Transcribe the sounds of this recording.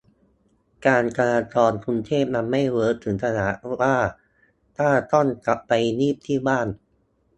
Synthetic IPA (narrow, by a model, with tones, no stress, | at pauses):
kaː˧nka˧laː˧t͡ɕɔː˧nkʰu˧nt̪ʰeː˥˩p̚na˧nma˥˩jwɤː˦˥t̪ʰɯ˩˦ŋt̪ʰa˧na˩˦ʔwaː˥˩ | t̪ʰaː˥˩t̪ɔ˥˩nka˨˦pːa˧jniː˥˩p̚t̪ʰiː˥˩baː˥˩n